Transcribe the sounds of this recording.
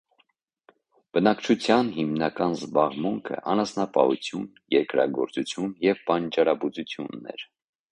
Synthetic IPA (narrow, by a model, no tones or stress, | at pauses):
b̥ənɑkt͡ʃʰut͡sʰjɑnɦimnɑkɑnzbɑʁmuŋkʰə̰ʔɑnɑsnɑpɑ̰hut͡sʰjunjɛɾkɾɑ̰ɡɔɾt͡sut͡sʰjunjɛvpɑnt͡ʃɑɾɑbut͡sut͡sʰjunːɛ̰ɾ